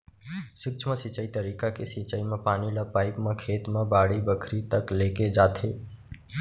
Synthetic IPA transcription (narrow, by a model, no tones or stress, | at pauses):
sɪk̚t͡ʃʰmə̃sit͡ʃəit̪əɾiːkakesit͡ʃəimẽpaːnilapaːɪkmẽkʰeːt̪mẽbaːɽibəkʰɾit̪əkleːked͡ʒaːt̪ʰe